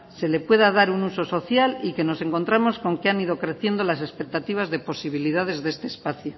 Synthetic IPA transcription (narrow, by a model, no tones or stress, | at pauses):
se̞le̞pwe̞ð̞að̞aɾunuso̞so̞θjalike̞no̞se̞ŋko̞nt̪ɾamo̞sko̞ŋkeaniðo̞kɾe̞θje̞nd̪o̞lase̞spek̚t̪at̪iβ̞azðe̞po̞siβ̞iliðað̞e̞zðe̞st̪e̞ːspaθju